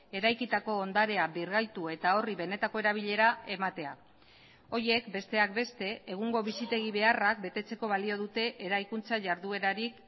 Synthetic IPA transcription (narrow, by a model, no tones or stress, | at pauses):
e̞ɾajkit̪ako̞ːnd̪aɾe̞abirɣajt̪ue̞t̪ao̞riβe̞ne̞t̪ako̞e̞ɾaβ̞iʎe̞ɾae̞mat̪e̞a | o̞je̞kbe̞st̪e̞akbe̞st̪e̞eɣ̞uŋɡo̞β̞isit̪e̞ɣ̞iβe̞arak̚be̞t̪e̞t͡se̞ko̞βalio̞ð̞ut̪e̞ʔeɾajkunt͡saʝaɾðue̞ɾaɾik